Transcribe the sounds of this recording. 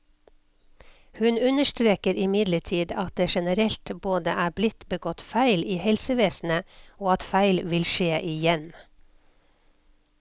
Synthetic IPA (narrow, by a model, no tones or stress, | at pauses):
hʉnʉnəʃtɾeːkəɾɪmɪd̪ləʈʰiːd̪ɑt̪̚d̪eːʃɛnəɾɛlt̪boːd̪əʔæːblɪt̪bəɡɔt̪fæɪliːhɛlsəʋeːsn̩əoːɑt̪fæɪlʋɪlʃeːʔɪjɛn